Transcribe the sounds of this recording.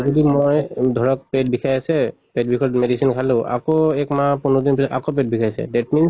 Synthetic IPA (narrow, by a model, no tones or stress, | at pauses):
zɔdimojdʱɔɹɔk̚pet̚bʱikʰajasɛ | pɛt̚bʱikʰɔtmedisinkʰaleʊʔa̰koɛkmapunɔd̪inpia̰kop̬et̚bʱikʰajsɛ̰dɛt̚mins